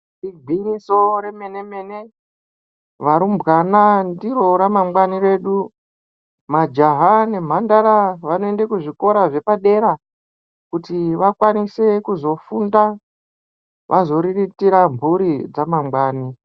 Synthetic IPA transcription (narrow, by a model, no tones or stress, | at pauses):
dibʱinisoɾe̞meneme̞ne̞ | ʋaɾumbɣanandiɾo̞ɾamamɡwanire̞ːɗu | mad͡ʒaɦane̞m̤andaɾaʋanoe̞ndekuʐiko̞ɾaʐe̞paɗe̞ɾa | kutiʋakwanise̞kuzo̞funda | ʋʔazo̞ɾiritiɾambuɾid͡zamamɡ͡baːni